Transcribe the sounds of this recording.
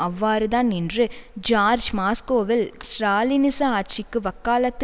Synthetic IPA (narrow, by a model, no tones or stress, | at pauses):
ɐʋːaːɾɯðaːnɪndrɯd͡ʒaːɾd͡ʒmaːskoːʋɪlsɾaːlɪnɪsɐaːʈ̚t͡ʃɪkːɯʋɐkːaːlɐt̪ː